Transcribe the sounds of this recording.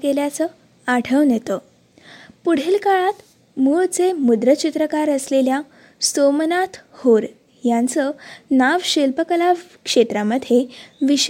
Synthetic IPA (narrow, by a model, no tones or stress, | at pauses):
keljat͡sə | aʈʰəʋnjet̪ə | puɽ̤elkaɭat̪ | muɭt͡semud̪ɾət͡ɕit̪ɾəkaɾəslelja | somənat̪hoɾ | jant͡sənaʋɕilpəkəlaʋ | kʂet̪ɾaməd̪ʱjeʋiɕ